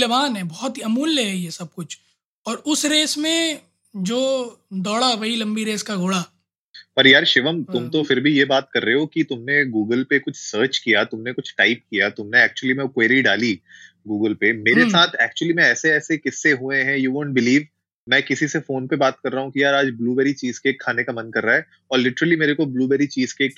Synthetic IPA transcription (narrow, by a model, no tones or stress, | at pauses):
ɐbaːnɦɛbɔːt̪iɐmuːlːejesɐb̚kʊt͡ʃʰ | ɔːɾʊsɾeːsmẽ | d͡ʒoːd̪ɔːɽaʋɐɦilɐ̃mbiɾeːskaɡʱʊɽa | pɐɾjaːɾʃɪʋəmt̪ʊmt̪ofɪɾbʱijebaːt̪kɐɾːeɦokit̪ʊmneɡuːɡəlpekʊt͡ʃʰsəːɾt͡ʃkijat̪ʊmnekʊt͡ʃʰʈaːɪp̚kijat̪ʊmneɛːk̚t͡ʃuəlimẽkweːɾiɖaːli | ɡuːɡəlpemeːɾesaːt̪ʰɛːk̚t͡ʃuəlimɛ̃ɛːseɛːsekɪsːeɦuẽɦɛ̃juʋõːɳʈ̚bɪliːʋ | mɛ̃ːkɪsisefoːnpebaːt̪̚kɐɾːaɦũkijaːɾaːd͡ʒbluːbɛːɾit͡ʃiːz̥keːkʰːaːnekamɐnkɐɾːaːɦɛː | ɔːɾlɪʈəɾəlimeːɾekobluːbɛːɾit͡ʃiːz̥kek